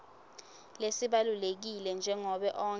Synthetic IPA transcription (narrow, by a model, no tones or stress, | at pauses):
lesiɓalulek̬ilɛnd͡ʒʱɛŋɔɓɛʔɔːŋ